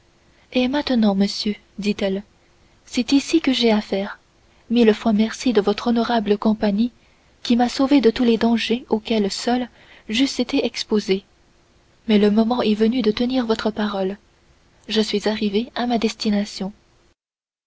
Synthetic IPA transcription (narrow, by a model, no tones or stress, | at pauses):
emɛ̃t̪ənɑ̃məsjø | d̪it̪ɛl | sɛt̪isikəʒeafɛːʁ | miləfwamɛʁsid̪əvɔt̪χɔnɔʁabləkɔ̃paɲi | kʲimasoved̪ət̪uled̪ɑ̃ʒeokʲɛlsœl | ʒyset̪eʔɛkspoze | mɛləmɔmɑ̃ʔɛvənyd̪ət̪əniʁvɔt̪χəpaʁɔl | ʒəsɥizaʁiveamad̪ɛst̪inasjɔ̃